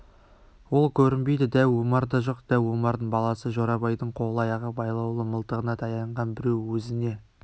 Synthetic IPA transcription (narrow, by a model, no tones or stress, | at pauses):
wo̞lˠkʲʰɵɾɪnbe̞jd̪ɪd̪ælwomɑɾd̪ɑʒo̞qd̪̥ælwomɑɾd̪əɴbɑlˠɑsəʒoɾɑbɑjd̪əɴqʰo̞lˠɑjɑʁəbɑjlˠɑwlˠəməlˠt̪əʁənɑt̪ʰɑjɑɴʁɑnbɪɾe̞wwɵzɪne̞